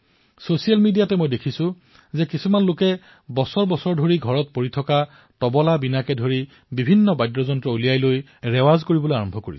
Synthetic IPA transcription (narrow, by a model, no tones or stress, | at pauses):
sosijalmidijatɛmojdekʰisʊ̃ | zɛkisumanlokɛ | bɔsɔɹbɔsɔɹdʱoɹiɡʱɔɹɔt̚poɹitʰɔka | tɔbɔlabinakɛdʱoɹi | bibʱinːɔbajdɹɔzɔntɹɔolijajloj | ɹɛwazkoɹibɔlojaɹɔmbʱɔkoɹis